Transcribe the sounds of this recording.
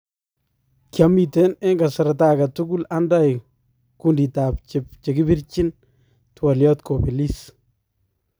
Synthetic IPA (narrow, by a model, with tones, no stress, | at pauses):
kjamite˦nɛ˦ŋɡa˨sɛ˨ɾata˦ka˨tuku˦la˦nda˦j | kundi˨tap̚t͡ʃɪp̚t͡ʃeki˦bi˦rt͡ʃɪ˦n | twa˨ljɔtkʰo˨pi˨lis